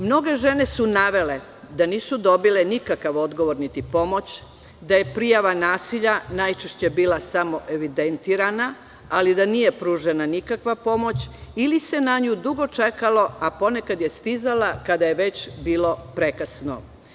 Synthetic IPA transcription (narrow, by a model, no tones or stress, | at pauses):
mno̞ɡe̞ʒe̞ne̞sunaʋe̞le̞ | d̪aniːsud̪o̞bile̞nikakaʋo̞d̪ɡo̞ʋoɾnit̪ipo̞mo̞t͡ɕ | d̪aje̞pɾijaʋanaːsiʎanajt͡ʃeʃt͡ɕe̞biːlasamo̞ʔeʋid̪ent̪iːɾana | alid̪anije̞pɾuːʒenanikakʋapo̞mo̞t͡ɕilise̞naɲud̪uɡo̞t͡ʃe̞kalo̞apo̞ne̞kad̪je̞st̪izalakad̪aje̞ʋe̞t͡ɕbiːlo̞pɾe̞kasno̰